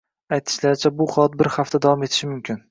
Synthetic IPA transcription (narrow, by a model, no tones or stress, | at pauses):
ajt̪ʰɪ̥ʃlaɾɪt͡ʃʰabʊχɒat̪̚bɪɾhaft̪ʰad̪avɒmet̪ʰɪ̥ʃɪmʊmkʲʰɪn